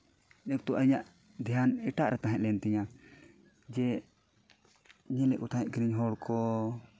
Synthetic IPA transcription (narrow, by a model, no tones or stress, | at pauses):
nɛk̚t̪ɔʔəɲaʔ | d̪ʱijanɛʈaʔɾʔɛt̪aɦɛ̃ʔ̚lɛnt̪iɲa | d͡ʒɛ | ɲɛlɛʔkɔt̪ʰajɛʔ̚ɡɾiɲɦɔɽkʰɔ